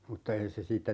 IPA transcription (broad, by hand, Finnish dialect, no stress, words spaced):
mutːɑ ei se siːtːæ